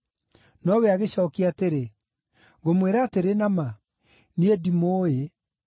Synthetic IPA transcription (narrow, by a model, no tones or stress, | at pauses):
nɔweaɣeɕɔːkiateɾe | ɣomweɾaːteɾenama | niedimoːe